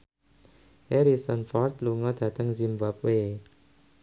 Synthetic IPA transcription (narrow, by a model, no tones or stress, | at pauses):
ʔɛɾisɔnfɔrt̪luŋɔd̪̥a̤t̪əŋzimbap̚we